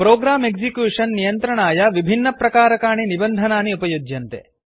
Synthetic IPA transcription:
pɾoːɡɾaːmeksikjuːʂɐnːijɐnt̪ɾɐɳaːjɐʋibʱinːɐpɾɐkaːɾɐkaːɳinibɐnd̪ʱɐnaːniupɐjod͡ʒjɐnt̪ḛ

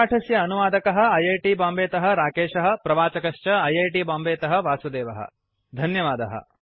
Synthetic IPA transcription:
ʈʰɐsjɐːnuʋaːd̪ɐkɐɦɐ̆ɐjeːʈibãːmbeːt̪ɐɦɐ̆ɾaːkeːʃɐɦɐ̆pɾɐʋaːt͡ʃɐkɐʃt͡ʃɐɐjejʈiːbãːmbeːt̪ɐɦɐ̆ʋaːsud̪eːʋɐɦɐ̰ | d̪ʱɐnjɐʋaːd̪ɐɦɐ̰

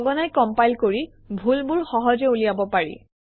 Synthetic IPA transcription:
ɡɔnajkɔmpajlkoɹi | bʱulbulxɔɦɔzeulijabɔpaɹḭ

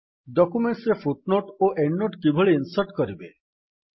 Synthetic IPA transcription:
ɖɔkumeɳʈsɾefʰuʈ̚noʈoʔeɳːoʈkibʱɔɭeinsɔɾʈkɔɾibe

